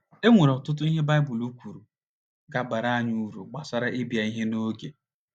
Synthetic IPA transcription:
e˦ŋʷe˨ɾɔ˨tʊ˦t̬ʊ˦i˦ɦe˦ba˦ɪ˦bʊ˨lu˦kʷu˨ɾu˨ | ɡa˨ba˨ɾa˦a˦ɲu˦ɾṵ˨ɡ͡ba˨sa˦ɾa˦ʔe˦bi˨a˨i˦ɦe˦no˦ɡe˨

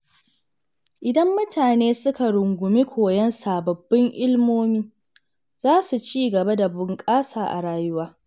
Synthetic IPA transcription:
ʔɪ˨dɐ˦mːʊ˦tʰaː˨neː˦sʊ˦ka˨ɽʊ˨ŋɡʷʊ˨mi˦kʷʰoː˨jɐ˦nsaː˨bɐ˨bːɪ˦ŋʔɪ˦lmoː˦miː˦ | z̥aː˦su˨t͡ʃiː˦ɡɐ˨ba˦da˨bʊ˨ŋkʼaː˦saː˨ʔa̰˨ɽaː˦jʊ˦waː˦

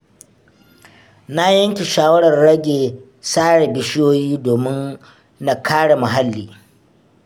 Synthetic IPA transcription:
na˦jɐ˦ŋkʲe˨ʃaː˦wɐ˦ɽɐ˨rɽɐ˦ɡʲeː˨ | saː˦ɽe˨bɪ˦ʃɪ˦joː˦jiː˦doː˨mɪ˦nː | a˨kʰaː˦ɽa˨mɐ˨ɦa˦lːiː˨

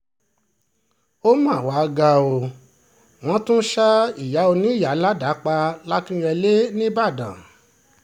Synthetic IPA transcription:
o˦mã˦˨wa˨˦˧ɡa˧o˧ | w̃ɔ̃˦tũ˦ʃa˦i˨ja˨˦o˧nĩ˦˨ja˨˦la˦da˨˦k͡pa˧la˦kĩ˦ɾɛ˧le˦nĩ˦ba˦˨dã̰˨

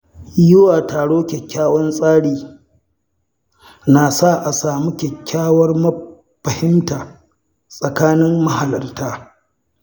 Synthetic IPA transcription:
jʊ˦waː˨taː˨ɽoː˦kʲɛ˨kʲːaː˦wɔ˦nsʼaː˦ɽiː˨ | na˨sa˦˨ʔa˨saː˨mu˦kʲɛ˨kʲːaː˦wɐ˦rmɐ˦ | ɸɐ˨hɪ˦mtaː˨ | sʼɐ˨kaː˦nɪ˦mːɐ˦ha˨lɐ˨rtaː˦

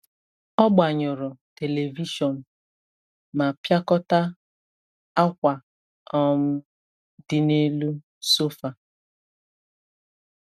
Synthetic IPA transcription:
ɔ˦ɡ͡ba˨ɲʊ˨ɾʊ˨te˨le˨vi˦ʃɔ˨n̩˨ | ma˨pja˦kɔ˦ta˦ | a˦kʷa˨ | ɔ˦m̩˦ | dɪ˦ne˦lu˦ | so˦fa˨

